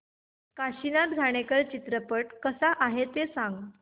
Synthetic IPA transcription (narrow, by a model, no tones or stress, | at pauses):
kaɕinat̪ɡʱaɽ̃ekəɾt͡ɕit̪ɾəpəʈkəsaʔaɦet̪esãŋɡ